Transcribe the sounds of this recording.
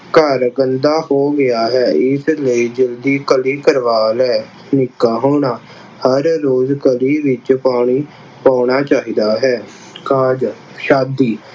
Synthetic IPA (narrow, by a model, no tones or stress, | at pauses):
kəɾɡənd̪aːhoːɡɪjaːɦɛːɪsləiːd͡ʒəld̪iːkəliːkəɾʋaːlɛː | nɪkːaːɦoːɳaː | həɾːoːzkəliːʋɪt͡ʃpaːɳ̃iː | paːɳaːt͡ʃaːɦiːd̪aːɦɛː | kaːd͡ʒ | ʃaːb̚d̪iː